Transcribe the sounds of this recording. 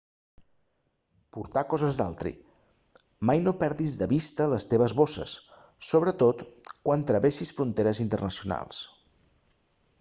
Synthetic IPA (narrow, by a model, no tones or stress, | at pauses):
puɾt̪akɔzəzd̪a̰lˠt̪ɾḭ | majnopɛɾðizðəβist̪ələst̪eβ̞əzβosə̰sː | oβ̞ɾət̪ot̪kwant̪ɾəβeʃisfɾunt̪eɾəzint̪ərnəsiuna̰lˠs